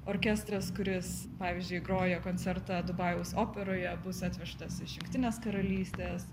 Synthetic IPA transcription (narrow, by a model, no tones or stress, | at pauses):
oːɾʲkʲæst̪ɾɐskʊɾʲɪs | pɑːʋʲizʲd͡ʒʲʊɪɡɾoːjokoːnʲt͡sʲɛɾt̪ɑd̪ʊbɑjoʊsoːpʲɛɾoːjɛbʊsɑːt̪ʲʋʲɛʃt̪ɐsɪʃjʊŋkt̪ʲɪnʲeːskɐɾɐlʲiːsʲt̪ʲeːs